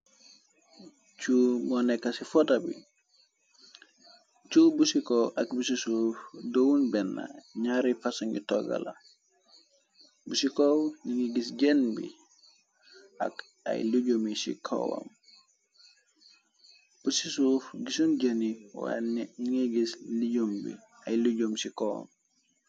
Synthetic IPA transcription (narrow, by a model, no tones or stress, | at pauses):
t͡ʃumɔnɛkːasifɔtabḭ | t͡ʃubusikoʔakbusisufdowunbɛnːa̰ɲaɾifasuŋḭtɔɡa̰la̰ | busikoniŋiɡisɟenbḭ | a̰k | a̰jluɟumisḭkʰo̰wo̰m | b̥usisuːfɡisunɟɐniwa̰niŋiɡisliɟumbḭ | ajluɟumsikowo̰m